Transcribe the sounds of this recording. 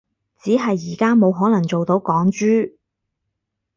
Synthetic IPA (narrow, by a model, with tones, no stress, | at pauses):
t͡siː˨˥ɦɐ˨jːiː˨˩kaː˥mo˨˧wɦɔː˨˥nɐ˨˩ŋt͡so˨wt̪o˨˥wkɔː˨˥ŋt͡ʃyː˥